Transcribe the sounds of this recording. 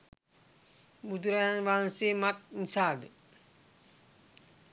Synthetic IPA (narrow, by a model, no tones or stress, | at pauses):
bud̪ɾajanʋaːnsemat̪̚nisaːd̪ə